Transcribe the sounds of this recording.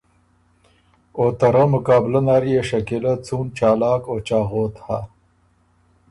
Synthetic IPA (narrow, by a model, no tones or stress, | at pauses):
oːt̪ɐɾɐmʊkɑːblɐnaːɾijeʃɐkelɐt͡suːnt͡ʃaːlɑːkoːt͡ʃɑːɣoːt̪ha